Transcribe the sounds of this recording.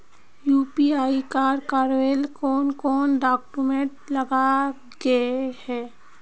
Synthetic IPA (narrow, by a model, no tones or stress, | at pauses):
juːpiaːikaːɾkaːɾʋelkɔːnkɔːnɖaːkːumẽʈləɡa | ɡəehɛː